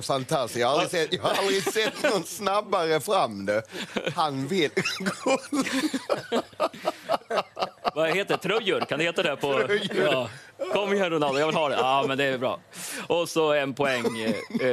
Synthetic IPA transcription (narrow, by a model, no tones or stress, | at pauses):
fant̪ʰast̪jɑːhaalɾɪsɛt̪ːjɑːhaɾald̪ɾɪsɛt̪ːnnɔt̪snabːaɾəfɾamːd̪ɛhanvɪlɡo | vaheːt̪ːət̪ʰɾɵjːɵɾkʰand̪ɵheːt̪ad̪ɛhæɾpʰɔ | kʰɔmːhɛnɾʊnald̪əjɑvɪlɦɑːd̪ɛʔaːmɛnd̪ɛːɾbɾɑ̰ː | ʔɔsɔɛnpʰɔɛŋ